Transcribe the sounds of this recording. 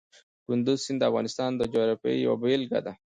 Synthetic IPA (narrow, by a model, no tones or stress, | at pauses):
kʊnd̪uzsind̪əafɣɑnɪst̪ɑnd̪əd͡ʒoɾapḛj̰wa̰belɡa̰d̪a